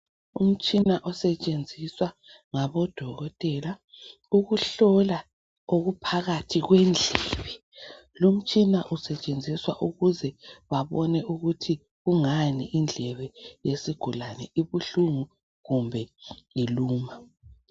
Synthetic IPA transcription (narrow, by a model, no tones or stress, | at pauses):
ṵm̩t͡ʃʼinaʔɔsɛt͡ʃʼend͡zʱiswa | ŋaβɔd̥ʱɔɣɔtʼɛla | uɣuɬɔla | oɣupʰaɣatʰiɣwɛnd͡ɮʱɛːβɛ | lum̩t͡ʃʼinaʔusɛt͡ʃʼend͡zʱiswaʔuɣuzɛwaβɔnɛuɣutʰi | ɣuŋaniʔind͡ɮʱɛβɛjesiɡ̥ʱulanɛiβuɬuŋu | ɣumbʱɛjiluːma